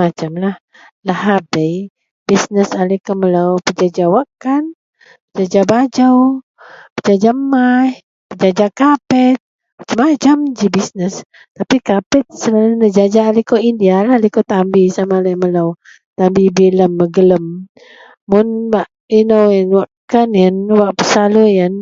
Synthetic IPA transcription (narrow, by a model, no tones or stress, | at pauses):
mat͡ʃamlah | lahabəj | b̥isnəsalikɔmələwpəd͡ʒad͡ʒawakan | pəd͡ʒad͡ʒabad͡ʒəw | pəd͡ʒad͡ʒama | pəd͡ʒad͡ʒakapət̪̚ | mat͡ʃamat͡ʃamd͡ʒibisnəs | t̪apikapət̪̚səlalunəd͡ʒad͡ʒaːlikoindialaləkot̪ambisamalajməlaw | t̪ambibiləmːəɡələmː | ʊnbaʔ | inəwjənwaʔkanjənwaʔpəsaləjən